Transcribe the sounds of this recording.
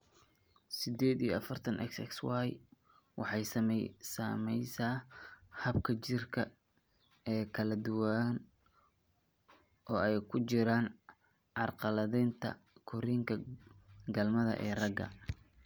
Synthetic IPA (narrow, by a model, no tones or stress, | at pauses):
sɪd̪ɛːd̪ijɔɐfɐrt̪ʰɐnʔɛ̰ksɛ̰kswɑj | wɑ̰ħɑjsɐmɛsɐmɛjsaːhɐbkʰɐt͡ʃɪrkʰɐ | ɛːkʰɐlɐd̪ʊwan | ʔɔːɛjkʰʊt͡ʃɪɾaːn | ʕɑrqɑlɐðint̪ʰɐ̰kʰʊɾiːŋkʰɐ | ɡɐlmɐðɐ̰ʔɛːrɐɡɐ̰